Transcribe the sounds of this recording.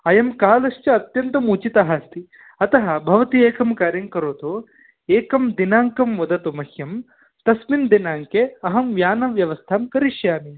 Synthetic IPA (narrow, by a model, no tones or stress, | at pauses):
ɐjɐmkaːlɐʃt͡ʃɐɐt̪jɐnt̪ɐmuːt͡ʃit̪ɐɦast̪i | ɐt̪ɐɦɐbʱɐʋɐt̪ieːkɐmkaːɾjɐŋkɐɾoːt̪o | eːkɐmd̪inaːŋkɐmʋɐd̪ɐt̪umɐhjɐm | t̪ɐsmind̪inaːŋkeɐɦɐmʋjaːnɐʋjɐʋɐst̪ʰaːmkɐɾiʃjaːmi